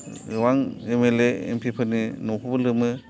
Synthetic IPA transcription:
waŋemeleḛmpʰipʰɯninopʰubɯlɯmɯ

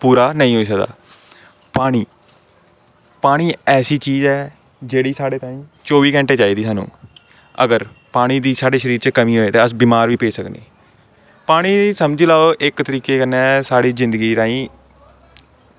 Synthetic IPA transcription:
puːɾaːnəĩːɦoːiːs̬əkd̪a̰ː | paːɽ̃iː | paːɽ̃iːɛːsiːt͡ʃiːzɛː | d͡ʒeːɽiːsaːɽeːt̪aːĩːt͡ʃoːʋiːkɛ̃ːɳʈeːt͡ʃaːiːd̪iːsaːnṵ̃ː | ə̰ɡəɾpaːɽ̃iːd̪iːsaːɖeːʃəɾiːɾt͡ʃəkəmĩːɦoːeːt̪eːəsbiːmaːɾʋiːpeːsəknḛː | paːɽ̃iːsəmd͡ʒlaːoʔɪkt̪əɾiːkeːkəneːsaːɽiːzɪ̃nd̪əɡiːt̪aːĩː

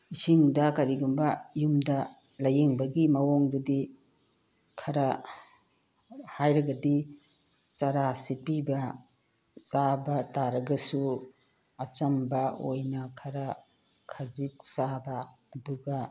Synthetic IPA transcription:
isiŋdɐkɐɾiɡumbɐjumdɐ | lɐjeŋbɐɡimɐwoŋdudi | kʰɐɾɐ | hajɾɐɡɐdi | t͡ʃaɾasipibɐ | sabɐtaɾɐɡɐsu | ɐt͡ʃɐmbɐojnɐkʰɐɾɐ | kʰad͡ʒik̚sabɐː | duɡɐ

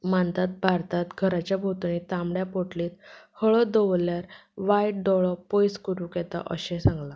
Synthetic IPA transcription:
mãnt̪at̪̚bʱaɾt̪at̪ɡʱəɾat͡ɕjabʱot̪unit̪ãmɽjapoʈliːt̪həɭɔd̪ɔʋljaɾʋajʈ̚ɖɔɭɔpojskəɾũkɛt̪a̰ʔə̰ɕɛ̃sãŋɡla

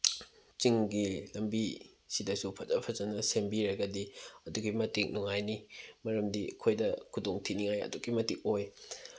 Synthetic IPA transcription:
t͡ʃiŋɡilɐmbi | sidɐsupʰɐzɐpʰɐzɐnɐsembiɾɐɡɐdiɐduɡimɐtiŋ̚nuŋajnimɐɾɐmdiɐkʰojdɐkʰudoŋtʰiniŋajɐ̰duɡimɐtik̚oj

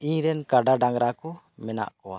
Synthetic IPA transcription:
iɲɾɛnkaɖaɖaŋɾakɔ | mɛna̰ʔkɔwa̰

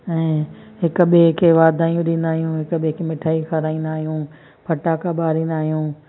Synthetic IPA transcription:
ɛ̃ː | ɦɪkɓekʰeʋaːd̪ʱaːijũɗĩːnd̪aːɦijũɦɪkɓekʰemɪʈʰaːikʰɐɾaːĩːnd̪aːɦijũː | pʰɐʈaːkaɓaːɾĩːnd̪aːɦijũː

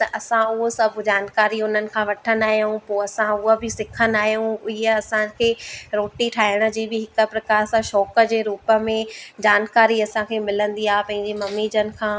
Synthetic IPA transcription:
t̪ɐʔɐsãʊɦosɐbʱd͡ʑaːnkaːɾiʊnənɪ̆kʰãːʋɐʈʰənd̪aːɦjũpoːɐsãʊɦəbɪsɪkʰənaːɦijũɪɦəɐsãkʰeːɾoːʈiʈʰaːɦɪɽ̃ə̆d͡ʑiːbɪɦɪkə̆pɾɐkaːɾsãʃɔːkə̆d͡ʑeːɾuːpə̆mẽd͡ʑaːnkaːɾiɐsãkʰeːmɪlə̃nd̪iaːɦpɐ̃ɦɪ̃ɲd͡ʑemɐmːid͡ʑənɪ̆kʰãː

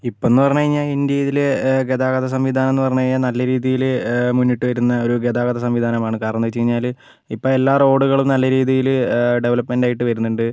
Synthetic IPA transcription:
ipːoe̞nːɨpɐrɐɲːɐɣɐɻiɲːaːlind̪jɐjɐðileɡed̪aːɣɐðɐs̬ɐmʋid̪ʱaːnɐenːɨpɐrɐɲːukɐɻiɲːaːnɐlːɐɾiːðijilmunːiʈːɨʋɐɾunːɐo̞ɾuɡed̪aːɣɐðɐsɐmʋid̪ʱaːnɐmaːɳɨkaːrɐnɐnːɐʋit͡ɕːɐɾiɲːaːl | ipːoɭe̞lːaːro̞ːɽuɣɐɭumnɐlːɐɾiːðijilɖe̞ʋɐlɐpːme̞nɖaːjiʈːɨʋɐɾunːuɳɖɨ

